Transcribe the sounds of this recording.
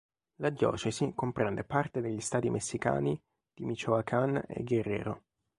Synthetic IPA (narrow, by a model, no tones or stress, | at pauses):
lad̪jɔ̰ːt͡ʃɛsikompɾɛnd̪epart̪ed̪eʎːist̪aːt̪imʔesːika̰ːni | d̪̥imit͡ʃoakʰanḛɡerːɛ̰ːɾo